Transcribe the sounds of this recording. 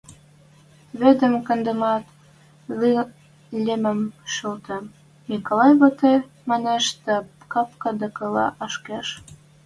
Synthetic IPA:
βed̪ə̆mkə̆nd̪ə̆mɑt̪ | li | lʲemə̆mʃəlt̪ə̆ | nikolɑjβot̪ej | mɑneʃt̪ə̆ | kɑp̚kɑd̪ə̆kɤ̆lɑ̰ʔɑʃkeʃ

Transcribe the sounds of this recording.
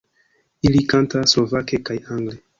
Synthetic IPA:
ilikantaslo̞vakekajaŋɡle

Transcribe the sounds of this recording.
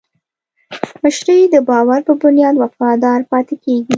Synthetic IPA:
məʃɾəjd̪əbɑwaɾpəbʊnjɑd̪wafɑd̪ɑɾpɑt̪ekeɡi

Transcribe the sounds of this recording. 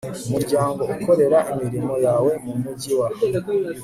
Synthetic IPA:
umuɾɟaːŋɡo̞uko̞ɾe̞ɾaʔemiɾimo̞jawe̞mumuɟiwa

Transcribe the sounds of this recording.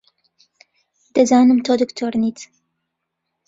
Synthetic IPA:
d̪̥ɐzaːnɨmt̪ʰoːd̪ɨkt̪ʰoːɾnit̪

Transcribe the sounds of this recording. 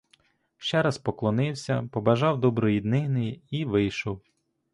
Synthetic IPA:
ʃt͡ʃɛɾɐspɔklˠɔnɪwsʲɐpɔbɐʒɑwd̪ɔbɾɔjid̪nɪɦnɪjiiʋɪjʃɔw

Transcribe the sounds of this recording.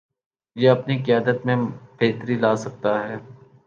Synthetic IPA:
jeɐpnikɪjaːd̪ət̪mẽb̥ʱeːt̪ɾilaːsɐk̚t̪aɦɛː

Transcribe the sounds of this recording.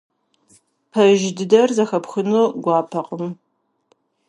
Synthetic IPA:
pʰɐʒdɨdɐrzɐxɐpxɨnoːɡʷɑːpʰɐqʼəm

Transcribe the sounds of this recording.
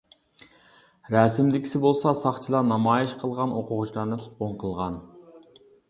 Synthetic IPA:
ɾɑsɪmd̪ɪkʲʰi̥sɪbolˠsɑsɑχt͡ʃʰilˠɑnɑmɑːjiʃqʰəlˠʁɑnoqʰʊʁʊt͡ʃʰlˠɑɾnɨt̪ʰu̥t̪̚qʊnqʰəlˠʁɑn

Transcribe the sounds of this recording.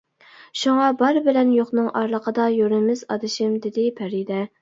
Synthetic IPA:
ʃuŋɑbɑɾbɪlɛnjoχnɨŋʔɑɾlˠəqʰəd̪ɑjøɾmɪzɑ̰d̪ɨʃɪmd̪ɪd̪ɪpʰæɾid̪ɛ

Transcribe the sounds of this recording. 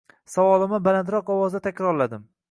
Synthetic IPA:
sawɒlˠɪmɪbalant̪ɾɒqɒwɒzd̪at̪ʰakʲɾɒɾlad̪ɪm

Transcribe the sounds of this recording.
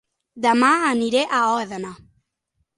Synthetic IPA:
d̪amaaniɾeʔaɔðana

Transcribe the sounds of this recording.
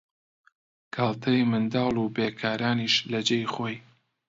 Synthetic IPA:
kʰaːlˠt̪ʰɐjmɨnd̪ɑːlˠubeːkʰaːɾaːniːʃlɐd͡ʒejχoːj

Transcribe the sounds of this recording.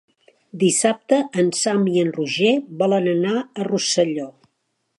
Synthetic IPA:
d̪isap̚t̪əʔənsamiənruʒeβɔlənənaərusəʎɔ

